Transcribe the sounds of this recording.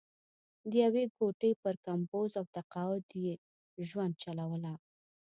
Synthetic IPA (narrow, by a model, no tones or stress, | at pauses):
d̪əjaweɡoʈəjpəɾkampozawt̪aqɑʊd̪je | ʒwand̪̚t͡ʃalawəla